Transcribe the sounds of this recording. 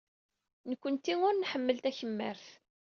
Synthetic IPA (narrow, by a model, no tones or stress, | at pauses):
nəkʷːənt̪ːiŋʊɾnħəmːəlt̪æçəmːə̰ɾθ